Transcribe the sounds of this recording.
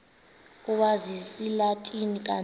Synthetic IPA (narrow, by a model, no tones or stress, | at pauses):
uɓazisilatʼinik̬ʼa